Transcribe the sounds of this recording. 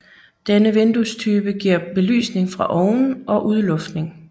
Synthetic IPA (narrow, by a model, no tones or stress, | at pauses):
d̥enəʋend̥ust͡sʰyːb̥əɡ̥iɐ̰b̥e̝ly̰ːsne̝ŋfʁɑ̈ʔɒʊn̩ʔɒ̽ʔuð̞ˠlɔ̽fd̥ne̝ŋ